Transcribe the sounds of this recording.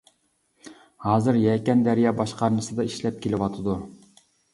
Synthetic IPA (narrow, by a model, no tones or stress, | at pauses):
hɑːzɨɾjɛkʲɛnd̪æɾjɑːbɑʃqʰɑɾnɨsɨd̪ɑiʃlɛp̚kʲʰelɪwɑt̪ʰɨd̪u